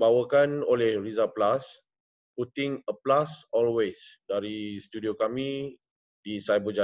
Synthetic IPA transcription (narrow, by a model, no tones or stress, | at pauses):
bawəkanolɛhrizaplas | put̪ĩŋəplasɔlwesdaɾist̪udiokamĩ | disajbod͡ʒa